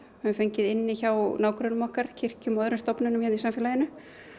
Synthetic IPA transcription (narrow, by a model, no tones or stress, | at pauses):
hʏfejɲcɪðɪnːɪçawnaːwkɾœnʏmɔhkaɾ̥cʰɪr̥cʏmɔðɾʏst̪ɔpnʏnʏmçɛnnisamfjːlajɪnʏ